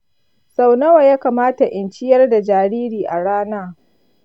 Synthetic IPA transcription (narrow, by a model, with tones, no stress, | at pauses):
sa˨wnɐ˦wa˨jaː˦kaː˨maː˦ta˨ʔɪ˨nt͡ʃɪ˦jɐ˦rda˨d͡ʒaː˨ɽiː˦ɾiː˨ʔa˨ɽaː˦naː˦